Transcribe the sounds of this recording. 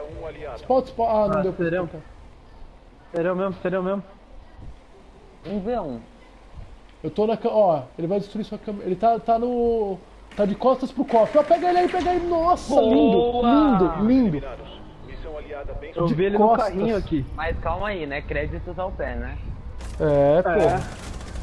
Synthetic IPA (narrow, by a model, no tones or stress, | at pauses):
spɔt͡ʃspɔanɐ̃d̪ewpɾ̃p̪ɛ | seɾiw̃mẽmʊseɾiɐ̃w̃memʊ | ũveũ | ewt̪onɐkɐ̃ɔelɪvajd͡ʒɪst̪ɾuisuɐkɐ̃melɪt̪at̪anʊ | t̪ad͡ʒɪkɔst̪ɐspɾʊkɔfɔpɛɡɐelɪaipɛɡɐailɪnɔslĩnd̪ʊlĩd̪ʊlĩd̪ʊ | isɛmaiad̪ɐẽewd͡ʒɪvielɪkɔssaɦiɐ̃ɲʊakimajskawmɐinɛkɾɛd͡ʒit̪ʊzawpɛnɛ | ɛpo